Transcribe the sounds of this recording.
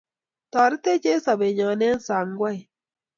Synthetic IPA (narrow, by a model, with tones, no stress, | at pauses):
tɔ˨ɾɪ˦te˦t͡ʃe˦sa˨be˨ɲɔ˨nɛ˦n˦sa˨ŋɡwa˦j